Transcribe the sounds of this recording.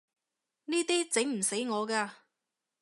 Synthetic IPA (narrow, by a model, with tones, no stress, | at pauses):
niː˥t̪iː˥t͡se˨˥ŋm̩˨˩se˨˥jŋɔː˨˧kaː˧